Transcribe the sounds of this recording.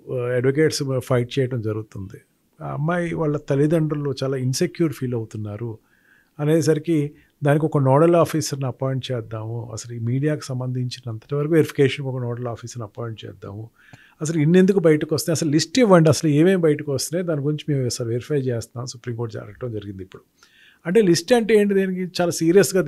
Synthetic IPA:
eɖʋok̬eːʈspʰɐjʈ̚t͡ʃɛːjɐʈɐmd͡ʒɐɾuɡut̪und̪i | ɐ̰mːaːjiʋaːɭːɐt̪ɐlid̪ɐɳɖɐlːoːt͡ʃaːlaːinsekjuːɾɖpʰiːlɐwt̪unːaːɾu | ɐneːs̬ɐɾiki | d̪aːnik̬ɔkɐnɔːɽɐlaːpʰiːsɐɾniɐpaːjɳʈ̚t͡ʃɛːd̪ːaːmuɐ̰sɐluiːmiːɽijaːku̥sɐmbɐnd̪ʱiɲt͡ʃinɐnt̪ɐ̥ʈɐʋɐɾɐkuʋeɾipʰi̥keːʂɐnkɔkɐnɔːɽɐlaːpʰiːsɐɾniɐpaːjɳʈ̚t͡ʃɛ̰ːd̪ːa̰ːmu | ɐs̬ɐluinːe̞nd̪ukubɐjɐʈɐkost̪eɐsɐlulisʈiʋːɐɳɖiɐsɐlueːʋeːmbɐjʈɐkʋɐst̪ineːd̪aːnikuɾiɲt͡ʃimeːmsaːɾiʋeɾipʰɐjt͡ʃɛːst̪ɐnaːmsupɾiːmkoɾʈd͡ʒa̰ɾɐk̚ʈɐmd͡ʒɐɾiɡind̪ipːuɽu | ɐɳʈe̞ːlisʈɐɳʈeːɳʈ̬id̪eːnikit͡ʃaːlaːsiːɾijɐsɡaː

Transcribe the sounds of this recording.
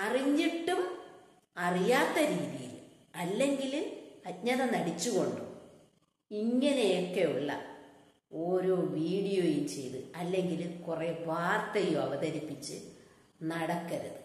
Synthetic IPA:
ɐriɲːiʈːum | ɐrijaːt̪ːɐɾiːðijḭl | ɐlːe̞ŋɡilɐt̚ɲɐðɐnɐɽit͡ɕːuɣo̞ɳɖɨ | iŋːɐne̞okːeuɭːɐ | o̞ːɾo̞ːʋiːɽijo̞ːjumt͡ɕe̞̰jðɨɐlːe̞ŋɡilkure̞ʋaːrt̪ɐjumɐʋɐðɐɾipːit͡ɕːɨ̰ | nɐɽɐkːɐɾɐðɨ

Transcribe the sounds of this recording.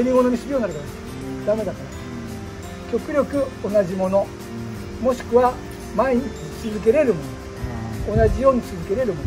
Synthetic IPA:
eɾʲimo̞no̞ɲ̟iɕɨbʲionːaɾɯk̪akas | d̪ame̞d̪akaɾa | kʲo̞kɯ̟ɾʲo̞kɯ̟o̞naʑimo̞no̞ | mo̞ɕi̥kɯ̟βa | maeɲit͡sit͡sɨzɨk̬e̞ɾe̞ɾɯ̟mo̞no̞ | onaʑijo̞ːɲ̟it͡sɨzɨke̞ɾe̞ɾɯ̟mon

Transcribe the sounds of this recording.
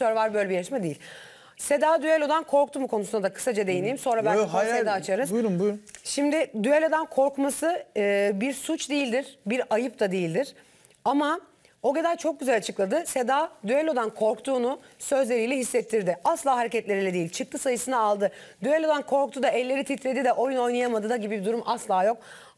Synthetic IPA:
øɾvaɾbø̞jlʲebijaʃmad̪ejilʲ | se̞d̪aːd̪yelʲo̞d̪ankʰo̞ɾk̚t̪ʰumukʰo̞nusunad̪akʰɯ̥sad͡ʒad̪e̞jiniːimso̞nɾabænsed̪aːt͡ʃʰaɾɯzujɾumbuʃimd̪ɪd̪yelʲo̞d̪ankʰo̞ɾkmasɯːbiɾsut͡ʃd̪ejilʲd̪iɾ̥biɾajɯp̚t̪ʰad̪ejilʲd̪iɾ̥ | ama | o̞ɟe̞d̪ælʲt͡ʃʰo̞k̚ɟyzælʲat͡ʃʰɯklˠad̪ɯse̞d̪aːd̪yelʲo̞d̪ankʰo̞ɾkt̪ʰuːnusø̞zlʲe̞ɾijlʲɛɦisːɛt̪ʰːiɾd̪ɪaslˠaːɦaɾecɛt̪lʲe̞ɾilʲɛd̪ejilʲt͡ʃʰɯk̚t̪ʰˠɯsajɯsɯnaːlˠd̪ɯd̪yelʲo̞d̪ankʰo̞ɾkt̪ʰud̪aɛlʲːe̞ɾit̪ʰit̪ʰɾʲe̞d̪id̪ɛʔo̞juno̞jnajamad̪ɯd̪aɟibibid̪uɾumʔaslˠaːjo̞k̚

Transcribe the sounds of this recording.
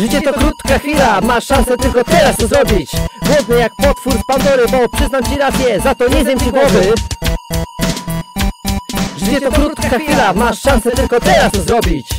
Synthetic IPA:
ʐɘt͡ɕɛt̪ɔkɾut̪kaxʲilamaʂãnsɛt̪ɘlkɔt̪ɛɾaszɾɔbʲit͡ɕɡwɔvɲɛjak̚pɔt̪fuɾspand̪ɔɾɘbɔpʂɘznamt͡ɕiɾasʲjɛzat̪ɔɲɛzʲjemt͡ɕiɡwɔvɘ | ʐɘt͡ɕɛt̪ɔkɾut̪kaxʲilamaʂʂãnsɛt̪ɘlkɔt̪ɛɾaszɾɔbʲit͡ɕ

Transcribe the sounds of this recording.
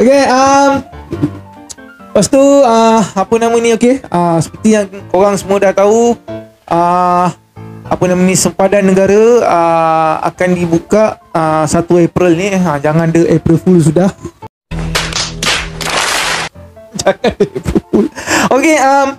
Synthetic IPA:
okeəm | past̪uəapənamənĩokeəsə̥pərt̪ijaŋkoɾaŋsəmuadaht̪au | ʔə | apənãmənĩsəmpadanːəɡaɾaəa̰kandibukaʔəsat̪uepɾəlniəd͡ʒaŋãndəʔɛpɾəlfuls̬udah | d͡ʒaŋandəɛpɾəlfulokeəm

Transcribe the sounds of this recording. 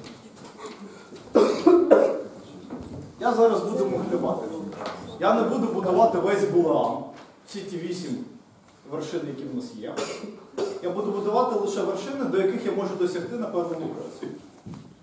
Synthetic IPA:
jazɑɾɐzbud̪emɔxlʲɪʋɑt̪ɪjanebud̪ʊbʊd̪ɐʋɑt̪ɪʋɛsʲbʊlˠɑm | t͡sʲitʲiʋʲisʲim | ʋerʃɪnɪjɐkʲiwnasjɛ̰ | jabud̪ʊbʊd̪ʊʋɑt̪ɪlˠɪʃɛʋerʃɪnɪd̪ɔjɐkɪxjamɔʒʊd̪ɔsʲɐxt̪ɪnɐpɛwnɐmʲukɐ̰sʲi

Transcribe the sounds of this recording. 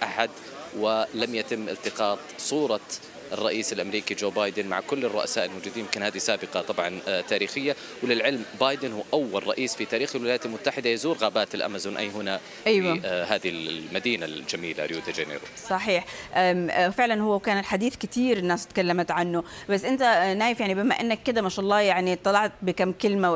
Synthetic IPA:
ʔaħad̪ | wɪlamjat̪ɪmːʔɪ̰lt̪ɪqɑːt̪ˤsˤuːɾˤɑ | ʔɪrˤːɑʔiːsɪlʔamɾiːkid͡ʒoːbaːjd̪ɪnma̰ʕkʊlːɪrˤːʊ̰ʔa̰saːʔɪlmʊd͡ʒud̪iːjɪmkɪnhaːðisaːbɪqɑt̪ˤɑbʕɑnt̪aːɾiːxɪjːa | wlɪlʕɪlmbaːjd̪ɪnhʊʔawːalˤɑʔiːsfit̪aːɾiːxɪlwɪajaːt̪almʊt̪ːaħɪd̪ajazuːɾɣaːbaːt̪ɪlʔa̰mazuːnʔa̰jːhʊna | ʔajwahaːd̪ilmad̪iːnald͡ʒamiːla̰ɾjuːd̪ad͡ʒenḛɾṵsˤɑħiːħʔaːfɪʕlanhʊwːawkaːnɪlħad̪iːθkɪt̪iːɾɪnːaːst̪kalːamat̪ʕanːʊbasːʔɪnt̪anaːjɪfjaʕnibɪmaʔɪnːakːɪd̪amaːʃʔɑlˤːɑːjaʕnit̪ˤːɑlɑʕt̪̚bɪkamkɪlma

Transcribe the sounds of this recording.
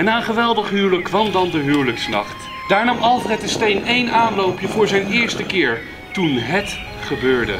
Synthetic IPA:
ɛnaːənχəʋɛlˠdəχɦywləkːʋɑmdɑndəɦywləksnɑ̰χt | d̥aːɹnɑmɑlˠfrɛtəstejnejnaːnlowpjəvʊːɹzɛjnɪːɹstəkɪːɹ | tunɦət | χəbøːɹdə̰

